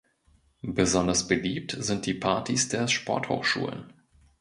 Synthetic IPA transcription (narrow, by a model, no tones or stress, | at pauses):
bəzɔndɐsb̥əliːp̚tzɪnt̚d̥iːpʰaɐtʰisd̥eːɐʃpɔ̰ɐtho̰ːxʃṵːlə̰n